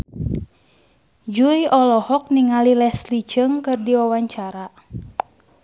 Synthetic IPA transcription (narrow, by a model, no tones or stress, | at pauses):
d͡ʒujɔlɔhɔk̚niŋalilɛslit͡ʃəŋkɨrdiwawaɲt͡ʃaɾa